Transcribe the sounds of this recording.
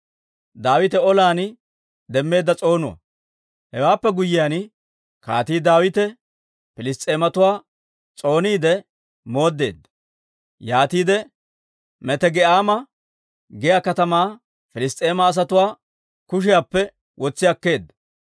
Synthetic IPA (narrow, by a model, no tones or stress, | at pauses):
d̪aːwɪt̪ɛɔlaːn | d̪ɛmːe̞ːd̪ːɐt͡sʼo̞ːnʊwɐ̰ | hɛwaːpːɛɡʊjːɪjaːn | ka̰ːt̪iːd̪aːwɪt̪ɛ | fɪlɪst̪ʼe̞ːmɐt̪ʊwaː | t͡sʼo̞ːniːd̪ɛ | mo̞ːd̪ːe̞̰ːd̪ːɐ̥ | jaːt̪iːd̪ɛ | mɛt̪ɛɡɛʔaːmɐ | ɡɛjakɐt̪ɐmaː | fɪlɪst̪ʼeːmɐːs̬ɐt̪ʊwaː | kʊʃ̬ɪjapːɛ | wʔɔt͡sːɪjɐkːe̞ːd̪ːɐ̥